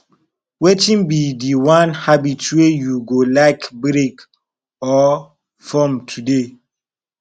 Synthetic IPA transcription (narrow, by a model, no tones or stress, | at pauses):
wetĩnbidiwãnhabitwejuɡolaɪkbɾek | ɔ | fɔmtʰude